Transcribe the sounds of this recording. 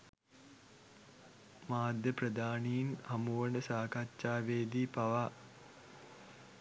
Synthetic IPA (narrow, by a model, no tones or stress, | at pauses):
maːd̪ʱjəpɾəd̪aːnijinhamuʋənəsaːkatːt͡ʃaːʋeːd̪iːpaʋa